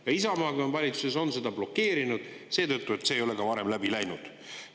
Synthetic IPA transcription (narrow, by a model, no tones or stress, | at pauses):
jɑisɑmɑːɡɑnvɑlʲit̪su̥se̞so̞nse̞d̪ɑb̥lo̞kːe̞ːɾinud̪̥ | se̞ːt̪ɤt̪ːˑue̞t̪se̞jo̞lekɑvɑɾe̞mlæbilæjnud̪̥